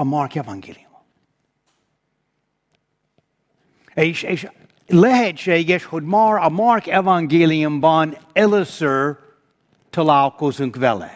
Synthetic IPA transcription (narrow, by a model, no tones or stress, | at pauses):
əmɑɹkɛvãŋɡḛlˠim | eʃeʃ | lɛhɛdʃeɡɛʃhʊd̚mɑɹəmɑɹkɛvãŋɡelˠiɨ̃mbanɛləsə˞ | tʰəlaʊkʰosɨ̃ŋkvɛlɛ̰